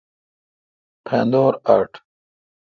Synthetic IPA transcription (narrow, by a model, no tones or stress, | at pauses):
pʰẽːnd̪oːɾa̰ːɾʈ